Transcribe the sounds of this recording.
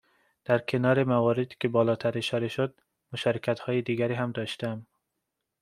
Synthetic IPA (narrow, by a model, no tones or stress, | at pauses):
d̪̥æɾkʰenɒːɾemævɒːɾed̪ikʲebɒːlɒːt̪ʰæɾeʃɒɾeʃod̪̚ | moʃɒːɾekʰæt̪hɒːjed̪iːɡæɾiːɦæmd̪ɒʃt̪æm